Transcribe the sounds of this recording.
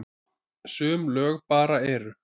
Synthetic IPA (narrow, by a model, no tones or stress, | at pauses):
sʏːmlœːɣpaːɾaɛɾʏ